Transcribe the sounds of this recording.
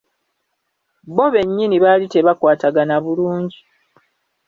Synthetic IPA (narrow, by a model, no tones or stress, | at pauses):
bo̞βe̞ɲːiniβaːlite̞βakwaːtaɡanaβuluːɲɟi